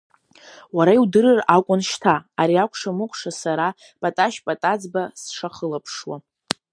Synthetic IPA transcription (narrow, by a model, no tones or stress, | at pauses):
waɾaiwdɨrɨrakʷʼʊnʃtʰaaɾiakʷʰʼʂamɨqʷʰʼʂasaɾa | pʼatʼaʃpʼatʼad͡zbasʂaχəlapʰʂwa